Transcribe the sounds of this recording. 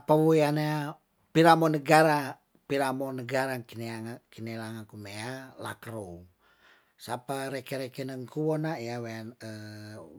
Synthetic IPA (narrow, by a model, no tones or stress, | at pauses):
apawoeanaa | piɾamonəɡaɾa | piɾamonəɡaɾakineaŋakinelaŋakumeala̰kɾoŋ | sapaɾekɛɾekɛnəŋkuwɔnaijaweanə